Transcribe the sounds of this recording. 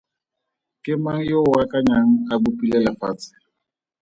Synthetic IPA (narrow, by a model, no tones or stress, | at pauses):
kʼɪmaŋ̩joʊwakʼaɲaŋ̩abʊpʼilɛlafaːt͡sʼɪ̥